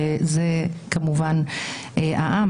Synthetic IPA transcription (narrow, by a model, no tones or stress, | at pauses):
ezekamuvan | ʔa̰ʔa